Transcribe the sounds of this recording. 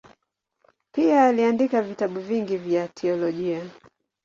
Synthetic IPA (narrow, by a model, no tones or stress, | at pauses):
piaːliandikavitaɓuviŋɡivjatʰɛɔlɔʄia